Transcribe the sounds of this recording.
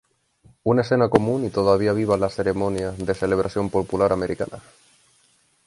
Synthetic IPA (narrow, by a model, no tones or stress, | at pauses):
unaesθenakomũnit̪oðaβ̞iaβ̞iβ̞alaseɾemõnjaðeseleβ̞ɾasjo̞mpopulaɾameɾʔikana̰